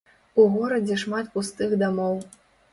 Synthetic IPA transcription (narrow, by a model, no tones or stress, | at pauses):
uɣɔɾɐd͡zʲɛʂmat̪pust̪ɨɣd̪amɔw